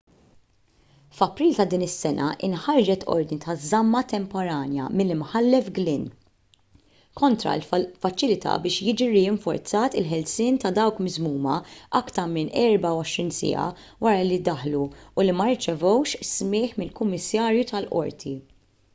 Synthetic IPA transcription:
fɐpɾiːlt̪ɐd̪iːnɪsːɛnʔɐ̰ʔɪ̰nħɐɾd͡ʒɛt̪ʰɔ̰ɾd̪nit̪ɐzɐmːɐt̪ɛmpɔɾɐːnjɐ̰mɪlːɪmħɐlːɛfɡlɪn | kɔnt̪ɾɐ̰lfɐt͡ʃɪlɪt̪ʰɐ̰bɪːʃjɪːd͡ʒiɾɪɪɱfɔ̰ɾt͡sɐːt̪ɪ̰lħɛlsɪːnt̪ɐd̪ɐwkmɪzmuːmɐʔɐkt̪ɐɾmɪnɛɾbɐwɔʃɾiːnsɪ̰ːɐ̰ | wɐɾɐlid̪ɐħluːlimɐɾt͡ʃɛvɔwʃsmɪːħmɪlkʊmːɪsːɐːɾjut̪ɐlʔɔ̰ɾt̪ʰi

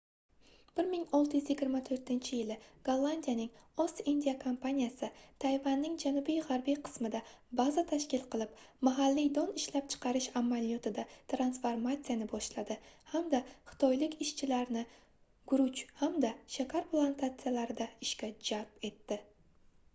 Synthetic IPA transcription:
b̥ɪɾmɪŋɒlˠt̪ɪjʊzjɪɡʲɪɾmat̪ʰɵɾt̪ɪnt͡ʃʰɪjɪlɪɡ̥olˠːand̪ijanɪŋɒsind̪ʲijakʰompanijasɪt̪ʰajvanːɪŋd͡ʒanʊbijʁaɾbijqʰɨ̥smɪd̪abazat̪ʰaʃkʲɪlˠqʰɨlˠɪpmaɦalːijd̪ɒnɪʃlap̚t͡ʃʰɨ̥qʰɑɾɪʃamːalijɒt̪ʰɪd̪at̪ɾansfoɾmat̪sijanɪbɒʃlad̪ɪhamd̪aχɨ̥t̪ʰɒjlɪkʲɪʃt͡ʃʰɪlaɾnɪ | ɡʊɾʊt͡ʃhamd̪aʃakʲʰaɾplˠant̪ʰat̪sɨjalaɾɪd̪aɪʃkʲad͡ʒape̞t̪ːɪ

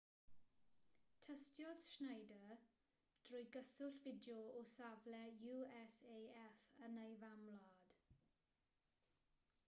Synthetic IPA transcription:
tʰəstjɔð̥ʃnejdə | d̥rʊːjɡəsʊɬvɪdjɔɔsavlɛjuɛseːɛfənejvamlɔd̥

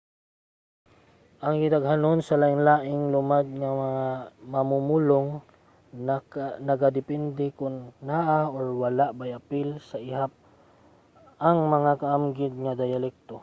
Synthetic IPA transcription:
ʔɐŋɡɪd̪aɡɦanonsɐlaʔɪŋlaːʔɪŋlʊmad̪̚ŋamɐŋamɐmumuloŋ | nɐɡad̪ɪpɛnd̪ɪkʊnːaʔaoɹwalaʔbajapɪlsaʔɪɦap̚ | ɐŋmɐŋakaʔamɡɪd̪̚ŋad̪ajalɛk̚t̪o

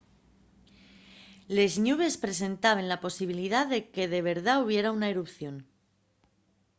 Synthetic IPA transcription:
lezɲuβe̞spɾe̞se̞nt̪aβ̞e̞nlapo̞siβ̞iliðaðe̞ke̞ðe̞β̞e̞ɾðauβ̞je̞ɾaunaeɾupθjo̞n

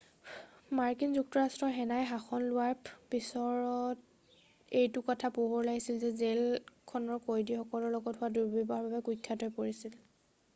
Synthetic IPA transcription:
maɹkinzuk̚tɔɹastɹɔɹɦɛnajɦaxɔnlʊwaɹpisɔɹɔt | ejtʊkɔtʰapuɦɔɹlaɡisilzɛzelkʰɔnɔɹkojdixɔkɔlɔɹlɔɡɔtɦʊaduɹbibaɦɔɹbabɛkujkʰːatɔjpoɹisil

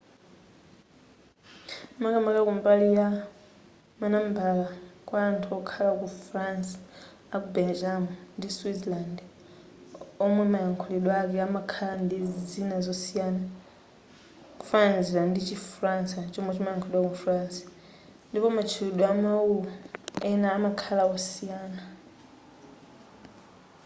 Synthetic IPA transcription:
makamakakumbalija | manambalakwaːntʰuɔkʰalakufɾansḁ | akubɛld͡ʒamundiswitlandɛ | ɔmwɛmajaŋkʰulɛɗwɔakɛamakʰalandizinazɔsijaːna | ku̥fananziandit͡ʃifransat͡ʃɔmwɛt͡ʃimajaŋkʰɔlɛɗwakufransḁ | ndipɔmat͡ʃʰilɛɗɔamawulɔɛnaːmakʰalaɔsijaːna

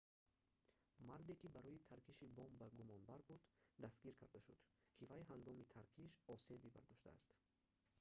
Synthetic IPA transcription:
maɾd̪ekibaɾɔjit̪ʰaɾkiʃibɔmbaɡumɔnbaɾbud̪d̪ast̪ɡiɾkʰa̰ɾd̪aʃud̪̥kʰivajɦaŋɡɔmit̪ʰaɾkʰiʃɔse̞biba̰ɾd̪ɔʃt̪a̰ːst̪

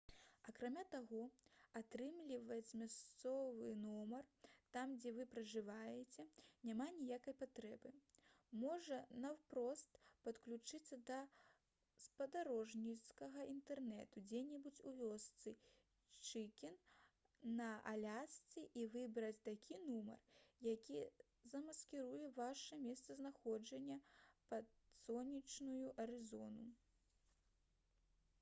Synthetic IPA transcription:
ɐkɾamʲat̪aɣɔat̪ɾɨmlʲivɐt͡sʲmʲast̪sɔvɨnɔmɐrt̪amd͡zʲɛvɨpɾɐʐɨvajɛt͡sʲɛnʲamanʲijakɐjpat̪ɾɛbɨ | mɔʐɐnɐwpɾɔst̪pɐt̪klʲut͡ʂɨt̪sːɐd̪ɐ | spɐd̪aɾɔʐnʲit̪skɐɣɐʔint̪ɛrnɛ̰t̪ud͡zʲɛnʲɛbut͡sʲuvʲɔst̪sɨ | t͡ʂɨkʲinː | ɐʔalʲast͡sʲiʔivɨbɾɐt͡sʲt̪akʲinumɐ̰rjakʲi | zɐmɐskʲiɾujɛvaʂɐmʲɛst̪sɐznaxɔd͡ʐɐnʲːɐpɐsɔnʲit͡ʂnujuʔɐɾɨzɔ̰nu

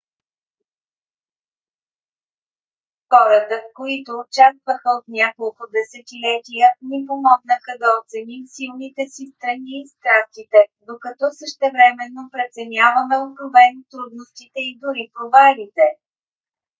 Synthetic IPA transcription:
xɔɾət̪əkoit̪oːt͡ʃast̪vəxəot̪nʲjakolˠkʊd̪ɛsɛt̪ilɛt̪ʲijənipomɔɡnəxəd̪ɐot̪sɛnimsilˠnit̪ɛsist̪ɾɐniːst̪ɾast̪it̪ɛd̪okɐt̪ɔsəʃt̪ɛvɾɛmɛnːopɾɛt̪sɛnʲavɐmɛokɾovɛnt̪ɾud̪nost̪it̪ɛid̪ʊɾipɾovalit̪ɛ

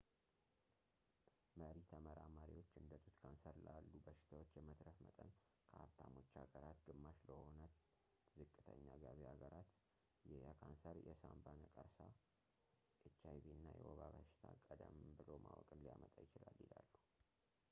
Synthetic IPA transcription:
məɾit̪ʰəməɾamaɾiwo̞t͡ʃːɨnd̪ət̪ʼut̪kʰansəɾɨlalːubəʃɪ̥t̪ʰawo̞t͡ʃːjɛmət̪ɾəfmət̪ʼən | kʰəaβt̪ʰamo̞t͡ʃːaɡəɾat̪ɡɨmːaʃləho̞nət̪ | zɨkʼːɨt̪ʰəɲːaɡaβiaɡəɾat̪ | jɛjakʰansəɾjɛsambanəkʼəɾsa | ʔɨt͡ʃːajβiɨnːajɛ̰woβaβəʃɪ̥t̪ʰakʼəd̪əmbɨlo̞mawɔ̰kʼɨnlijamət̪ʼajɪt͡ʃɪlaljɪlalːu

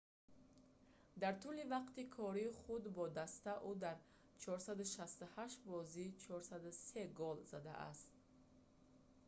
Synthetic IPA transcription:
d̪aɾt̪ʰulivaqt̪ikʰɔɾiːχud̪bɔd̪ast̪aʔud̪aɾ | t͡ʃʰɔɾsad̪uʃast̪uhaʃbɔzit͡ʃʰɔɾsad̪useɡɔlzad̪a̰ʔa̰st̪

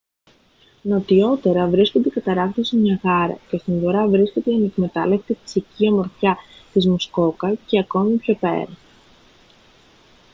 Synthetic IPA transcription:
no̞t̪io̞t̪e̞ɾɐvɾisko̞nd̪ekɐt̪ɐɾɐɣt̪osimɲɐɣɐɾɐ̰ce̞st̪inðoɾɐvɾisce̞d̪eɐne̞kme̞t̪ɐ̰lekt̪ei̥siciɐmo̞ɾθçɐt̪izmusko̞kɐce̞ɐko̞mipço̞pe̞̰ɾɐ

